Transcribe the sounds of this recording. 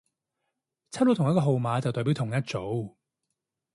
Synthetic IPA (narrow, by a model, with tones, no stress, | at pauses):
t͡sʰa˥lo˧t̪ʰʊ˨˩ŋjɐ˥kɔː˧ɦo˨wmaː˨˧t͡sɐ˨wt̪ɔː˨˩piː˨˥wt̪ʰʊ˨˩ŋjɐ˥t̚t͡so˨˥w